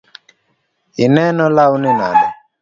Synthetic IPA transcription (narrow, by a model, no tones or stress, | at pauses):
inɛnɔlaunina̰lɛ